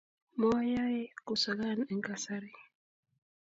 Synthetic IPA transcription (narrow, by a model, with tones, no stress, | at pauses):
mɔ˦ja˦e˦ko˨sa˨ɡa˦nɛ˨ŋka˨sa˦ɾi˦